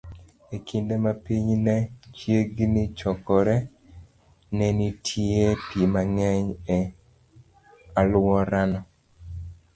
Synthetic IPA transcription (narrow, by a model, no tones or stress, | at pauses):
ekindemapiɲnɛt͡ʃjeɡnit͡ʃɔkɔɾɛ | nɛnitʰjepʰimaŋɛɲɛ | alwɔɾanɔ